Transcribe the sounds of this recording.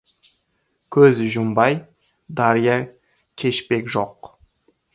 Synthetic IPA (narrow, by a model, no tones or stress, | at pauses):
kʲʰɵzʒʊmbɑj | d̪ɑɾijɑ | kʲʰe̞ʃpe̞kʲʒoq